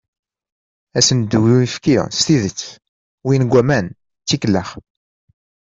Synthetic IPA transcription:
æsənd̪ːuwuifkiʁst̪iðət͡sː | winɡʷːæmæn | t͡sːikəlːəχ

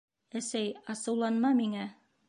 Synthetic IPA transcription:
æsæjɑsɤ̆wlˠɑnmɑmiŋæ

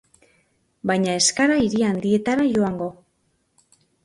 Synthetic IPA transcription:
bajɲae̞skaɾaiɾiaːnd̪ie̞t̪aɾaʝo̞aŋɡo̞

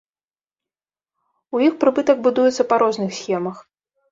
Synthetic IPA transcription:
ujixpɾɨbɨt̪ɐɡ̚bud̪ujɛt̪sɐpaɾɔznɨxsʲxʲɛmɐx

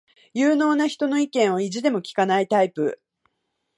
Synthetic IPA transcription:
jɯːno̞ːnaçi̥t̪o̞no̞ikẽ̞ɰ̃o̞iʑid̪e̞mo̞kʲi̥kanait̪aipɯ̟̰

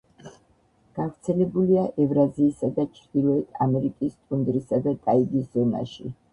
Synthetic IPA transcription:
ɡ̥avɾt̪sʰɛlɛbuliaʔɛvɾaziːsad̪at͡ʃʰɾd̪̥ilˠɔɛt̪ʰʼamɛɾikʼist̪ʼund̪ɾisad̪at̪ʼaiɡ̪isz̥ɔna̰ʃḭ

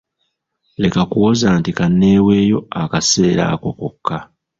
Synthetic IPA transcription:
le̞kakuwo̞zaːntikanːe̞ːwe̞ːjo̞akase̞ːɾa̰ko̞kokːa

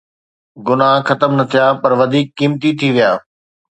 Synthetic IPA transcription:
ɡʊnaɦxɐt̪əmnɐt̪ʰijaːpɐɾʋɐd̪ʱiːkːiːmt̪it̪ʰiʋijaː

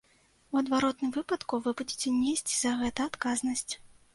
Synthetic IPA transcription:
uɐd̪vaɾɔt̪nɨmvɨpɐt̪kuvɨbud͡zʲet͡sʲɛnʲesʲt͡sʲzɐɣɛt̪ɐːt̪kaznɐsʲt͡sʲ

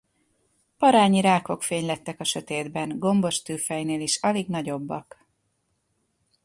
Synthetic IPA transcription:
pɒɾaːɲiɾaːko̞kfeːɲlɛt̪ːɛkɒʃø̞t̪eːd̪bɛnɡo̞mbo̞ʃt̪yːfɛjneːliʃɒliɡnɒɟo̞bːɒk

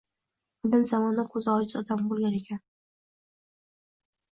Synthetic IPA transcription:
qɒd̪ɪmzamɒnːaqʰʊzɒjɪzɒd̪ambolˠɡʲanekʲʰan

